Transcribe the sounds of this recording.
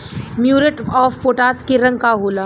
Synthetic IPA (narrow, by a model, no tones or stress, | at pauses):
mjuːɾəʈɔːfpoːʈaːskiɾɐ̃ŋɡkaɦoːlaː